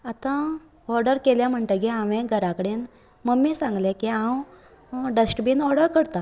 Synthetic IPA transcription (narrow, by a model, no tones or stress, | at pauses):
at̪ã | ɔɾɖəɾkeljam̤əɳʈ̪əkiãʋẽɡʱəɾakəɽen | məmːisãŋɡlekiãw | ɖəsʈbinɔɾɖəɾkəɽt̪a